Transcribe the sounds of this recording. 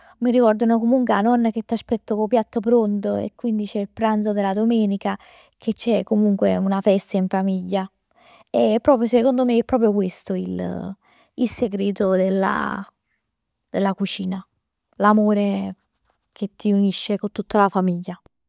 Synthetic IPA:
miɾikɔrd̪onokomuŋkweanɔnːak̟et̪ːaspɛt̪ːokopjat̪ːopɾont̪oḛkːwind̪it͡ʃɛilpɾant̪sod̪elːad̪omɛːnika | k̟et͡ʃːɛkːomuŋkweunafɛst̪aiɱfamiʎːa | epːɾɔːpɾjosekond̪omeɛpːɾɔpɾjokwest̪oil | ilseɡɾeːt̪od̪elːa̰ | d̪elːakut͡ʃiːna | lamoːɾe | k̟ʰet̪ːiuniʃːekont̪ːut̪ːalafamiʎːa

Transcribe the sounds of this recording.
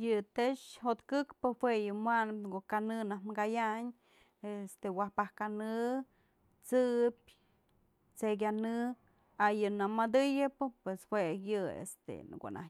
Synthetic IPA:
jɨt̪eʂɦot̪kɨkpɨhwejɨmwanɨpnɡoʔkanɨnahmɡajaɲ | est̪ewahpahkanɨ | t͡sɨp̚ʲ | t͡sek̬ʲanɨ | ajɨnamad̪ɨjɨpɨpweshwejɨḛst̪ḛɡo̰ʔnʔa̰

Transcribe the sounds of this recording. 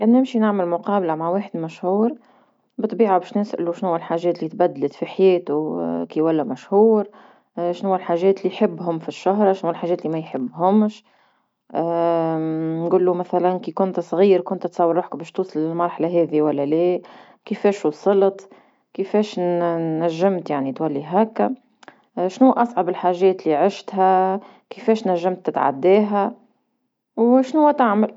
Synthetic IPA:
ʔænnɪmʃinaʕməlmʊqɑːblamaʕweːħəd̪mæʃhuːɾ | bɨt̪ːˤbiːʕabɛːʃnɪsʔluʃnhʊwːælħaːʒɛːt̪liːt̪bæd̪ːlɪt̪fiħajɛːt̪ukiwælːæmæʃhuːɾ | ʃnhʊwːælħaːʒɛːt̪lːijħɪbːɦʊmfiʃːaɦɾˤɑʃnhuːælħaːʒɛːt̪limæjħɪbːɦʊmʃ | ʔ | nɡuːlːumæθælankiːkʊnt̪sˤɣiːɾkʊnt̪t̪sɑwːɾˤuːħkbɛːʃt̪uːsˤɑlɪlmɑɾˤħalaɦɛːðiwælːæleː | kəfɛːʃwusˤɨlət̪ | kəfɛːʃː | æʒːɪmt̪jaʕnit̪wælːiɦæːkæ | ʃnuːʔɑsˤʕɑbɪlħaːʒɛːt̪liʕɪʃt̪ɦæ | kɪfɛːʃnæʒːamt̪ːɪt̪ʕa̰d̪ːɛːɦæ | wʃnuːæt̪aʕmal

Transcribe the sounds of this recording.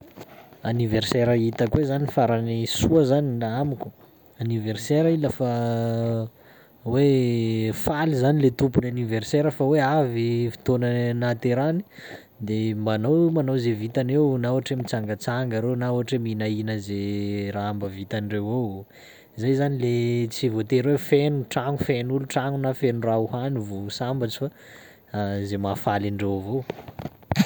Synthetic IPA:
aniverseɾait̪akwezanifaɾanisuəzanilaamikʲu̥ | aniverseɾailafa | we | falizanilet̪upunaniverseɾəfaweavifi̥t̪onənat̪eɾani̥ | d̪emanowmanowzevit̪anewnauaʈ͡ʂemit͡saŋɡət͡saŋɡaɾewnauaʈ͡ʂeminainəzeraambəvit̪anɖ͡ʐewaw | zajzanilet͡sivot̪eɾwefenuʈ͡ʂaŋufenuluʈ͡ʂaŋunafenurauhanivosambat͡si̥fa | zemafalaɳɖ͡ʐewavo

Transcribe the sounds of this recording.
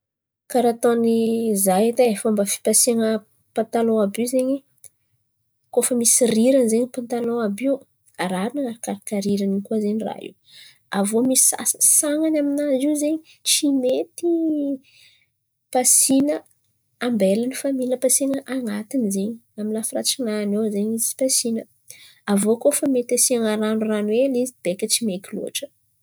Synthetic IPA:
kaɾat̪onizajet̪aefambəfi̥pasiŋə | pant̪aloabiwzeɲi | kofəmisiriɾanzeɲipant̪aloabiw | aɾaɾunaaɾakaɾakaɾiɾanikuazeɲira̰ḭw | avomisi̥a̰ssaŋanaminaziwzeɲi | t͡ʃimet̪i | pasinə | ambelənifamilʲəpasinəʔaŋat̪inzeɲiaminafira̰t͡sinanowzeɲit͡si̥pasinə | avokofəmet̪asiaŋaɾanuranwelizib̥ekʲət͡simekilṵa̰ʈ͡ʂə̥

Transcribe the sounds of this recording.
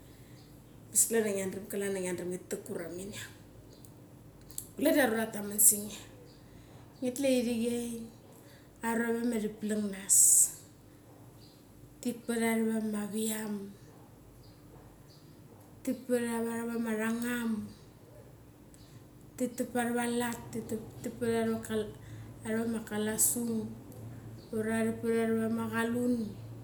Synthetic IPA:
bisklanaŋianrimkalanaŋianrimŋitːakuɾaminiaŋ | kuledaɾuɾatamansiŋa | ŋetlaiɾiɣej | aɾaβemaɾiplaŋnas | tik̚paɾaɾaβamaβiam | tipaɾaβaɾaβamaɾaŋam | titapaɾβalattittipaɾaɾaaaɾβamakalasuŋ | oɾaɾipaɾaɾβamaɣalun

